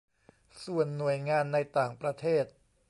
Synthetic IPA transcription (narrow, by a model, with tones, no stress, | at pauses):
su˨˩ənːu˨˩əjŋaː˧nːa˧jt̪aː˨˩ŋpɾa˧t̪ʰeː˥˩t̪̚